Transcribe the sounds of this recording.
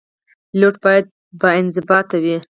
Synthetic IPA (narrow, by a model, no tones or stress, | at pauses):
loʈbɑjad̪̚ | bɑɪnzɪbɑt̪awi